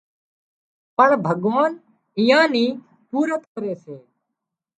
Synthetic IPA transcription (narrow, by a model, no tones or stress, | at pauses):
pəɳbʱəɠʋaːn | ɪjãːniː | puːɾət̪kəɾeːseː